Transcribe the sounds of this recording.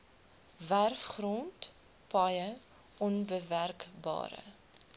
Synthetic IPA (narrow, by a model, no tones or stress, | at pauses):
værfχrɔnt | pɐjə | ɔnbəværkbɑ̰ːɾə̰